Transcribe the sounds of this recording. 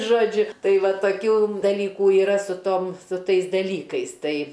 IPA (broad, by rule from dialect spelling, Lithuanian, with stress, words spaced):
ˈʒoːd͡ʒʲʊ ˈtɐɪ ˈʋɐ toːˈkʲuː dɐˈlʲiːkuː iːˈrɐ sʊ ˈtoːm sʊ ˈtɐɪs dɐˈlʲiːkɐɪs ˈtɐɪ